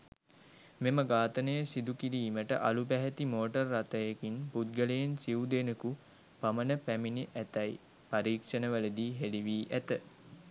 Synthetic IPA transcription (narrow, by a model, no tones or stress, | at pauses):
meməɡaːt̪ənəjəsid̪ukiɾiːməʈə̰ʔalupæɦɛt̪imoːʈərːat̪əjekinpud̪̚ɡəlejensiud̪enəku | pamənəpæminiʔæt̪ɐj | paɾiːkʂənəʋələd̪iːɦeliʋiːʔæt̪ə